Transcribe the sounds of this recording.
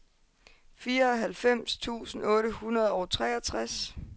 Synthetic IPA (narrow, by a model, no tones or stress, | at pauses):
fiːɐɒ̽ɦælfem̰st͡sʰṵːsn̩ɔ̽ːɾəhunɐð̞ˠɒʊt͡sʰʁɛːɐt͡sʰʁas